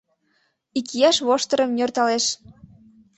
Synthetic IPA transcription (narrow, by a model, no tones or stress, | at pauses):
ikijɑʃβoʃt̪əɾə̆mnʲørt̪ɑleʃ